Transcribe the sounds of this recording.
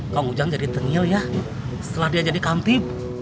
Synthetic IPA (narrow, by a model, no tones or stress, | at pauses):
kauŋud͡ʒaŋd͡ʒadit̪əŋɪlja | st̪əlahdiad͡ʒadikamt̪ip̚